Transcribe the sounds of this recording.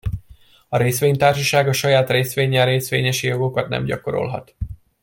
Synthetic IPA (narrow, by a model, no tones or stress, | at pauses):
ɒɾeːsʋeːɲt̪aːrʃɒʃaːɡɒʃɒjaːt̪reːsʋeːɲːɛɾeːsʋeːɲɛʃijo̞ɡokɒt̪nɛ̰mɟɒko̞ɾo̰lɦɒ̰t̪